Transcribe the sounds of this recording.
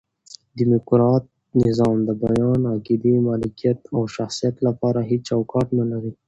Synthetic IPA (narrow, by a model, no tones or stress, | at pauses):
d̪imʊkɾɑt̪̚ | nɪzɑmd̪əbajɑnaɡid̪imɑlɪkijat̪awʃaxsijat̪lapɑɾaɦit͡ʃawkɑʈnalaɾi